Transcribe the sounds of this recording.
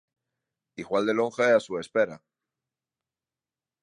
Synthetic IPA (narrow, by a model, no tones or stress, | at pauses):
iɣwald̪e̞lo̞ŋxeasue̞spe̞ɾa